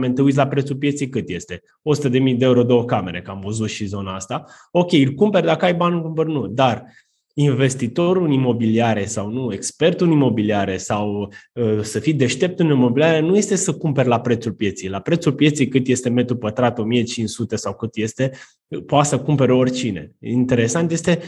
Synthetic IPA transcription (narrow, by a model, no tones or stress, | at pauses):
ment̪eujt̪̬lapɾet̪sulp̬je̞t̪sijkɨt̪je̞st̪e̞ | o̞sut̪əd̪e̞mijd̪eeuɾo̞d̪eo̞kame̞̰ɾe̞̰kamvəzut̪ʃizo̞naast̪a | o̞kʲe̞jilkumpe̞rʲd̪akəajbanulumbərnud̪ar | inve̞st̪it̪o̞ɾulimo̞biliaɾesawnue̞kspe̞rt̪ulimo̞biliaɾesawəsəfid̪e̞ʃt̪e̞p̚t̪ɨnimo̞biliaɾenuje̞st̪e̞səkumpe̞rʲlapɾet̪sulpje̞t̪sijlapɾe̞t̪sulpje̞t̪sijkɨt̪je̞st̪e̞me̞t̪ɾupət̪ɾat̪o̞mijet͡ʃinʃsut̪e̞sawkɨt̪je̞st̪e̞ | poat̪səkumpe̞ɾəo̞rʲt͡ʃine̞̰int̪e̞ɾe̞sant̪je̞st̪e̞